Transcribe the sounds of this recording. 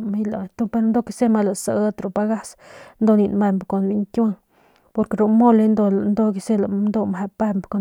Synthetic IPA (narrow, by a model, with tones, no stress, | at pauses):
mi˦la˨t̪o˦pe˧ɾo˧nd̪o˦˧ki˧se˦ma˧la˨sa˧˦t̪ɾo˨pa˧ɡa˦snd̪o˧ni˧nma˧mbko˨nbi˧˦ɲk̪ʲa˦ŋ | po˧ɾke˨ɾo˧mo˦le˧nd̪o˧nd̪o˧ki˧se˦la˨nd̪o˧mhe˧pa˧mbko˨